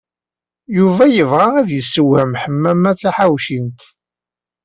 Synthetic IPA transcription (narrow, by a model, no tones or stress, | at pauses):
juvæjəvʁaæðjəsːəwhəmħəmːæmæθæħawʃint̪